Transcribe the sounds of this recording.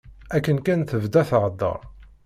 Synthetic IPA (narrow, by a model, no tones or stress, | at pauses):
ækːənkænθəvd̪æθʕəd̪ːə̰ɾˤ